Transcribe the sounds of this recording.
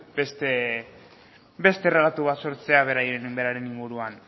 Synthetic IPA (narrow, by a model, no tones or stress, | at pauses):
best̪e | best̪e̞relat̪uβ̞at̪so̞ɾt͡se̞aβ̞e̞ɾajɾenumbeɾaɾe̞niŋɡuɾuan